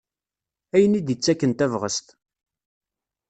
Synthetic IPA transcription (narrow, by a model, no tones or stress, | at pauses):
æjənid̪jət͡sːækːənt̪ævʁəst̪